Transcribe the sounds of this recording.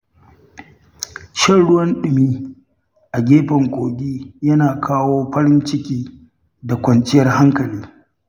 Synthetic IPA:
ʃɐ˦ɽʊ˦wɐ˦nɗɪ˨miː˦ | ʔa˨ɡʲeː˦ɸɐ˨ŋkʷoː˨ɡʲiː˦jɐ˦naː˨kʰaː˦woː˦ɸɐ˦ɾɪ˦nt͡ʃɪ˦kʲiː˦ | da˨kʷɐ˨nt͡ʃɪ˦jɐ˦rha˦ŋkɐ˨liː˦

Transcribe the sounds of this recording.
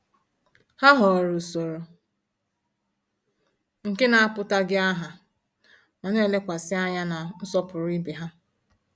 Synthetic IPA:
ha˦ɦɔ˨ɾu˨so˨ɾo˨ | ŋ̩˨ke˦na˨a˦pʊ˦ta˦ɡɪ˦a˦ɦa˨ | nɔ˨ne˦˨le˦kʷa˨sɪ˦a˦ɲa˦na˨n̩˦sɔ˦pʊ˨ɾi˦be˨ɦa˦

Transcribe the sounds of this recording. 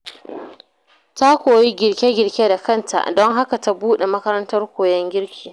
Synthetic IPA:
ta˦kʷoː˨ji˦ɡʲɪ˨rkʲe˦ɡʲɪ˨ɽkʲe˦da˨kɐ˦˨ntʰa̰˨dɔ˦ŋɦa˦ka˨ta˦buː˦ɗe˨mɐ˦kɐ˦ɾɐ˦ntɐ˦rkʷoː˨jɛ˦ŋɡʲɪ˦ɽkʲʰiː˨

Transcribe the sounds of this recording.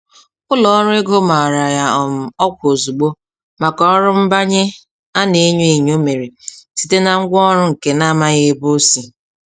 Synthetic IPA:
kʊ˦lɔ˨ɔ˦ɾʊ˦e˦ɡo˦ma˨ɾa˨ja˦ɔ˨m̩˨ɔ˦kʷo˨zu˨ɡ͡bo˦ | ma˨kɔ˦ɔ˦ɾʊ˦m̩˦ba˦ɲe˦ | a˦ne˨˦ɲe˦e˨ɲ˦o˦me˨ɾe˨si̥˨te˦na˨ŋ̩˦ɡʷɔ˦ɾʊ˦ŋ̩˨ke˦na˦ma˦ɣe˦bo˦si˨

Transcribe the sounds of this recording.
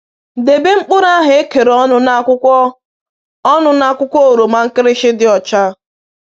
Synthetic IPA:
de˨be˦ŋ͡m̩˦k͡pʊ˦ɾa˦ɦɪ˨e˦ke˨ɾɔ˦nʊ˦na˦kʊ˦kʷɔ˦ | ɔ˦nʊ˨na˦˨kʷʊ˦kʷɔ˦o˨ɾo˨ma˦ŋ̩˦kɪ˦ɾɪ˦ʃɪ˦dɪ˨ɔ˨t͡ʃa˦

